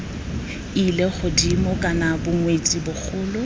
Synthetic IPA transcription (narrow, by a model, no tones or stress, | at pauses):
ileχʊdimɔkʼanabʊŋwet͡sʼibʊk͡xʰʊːlʊ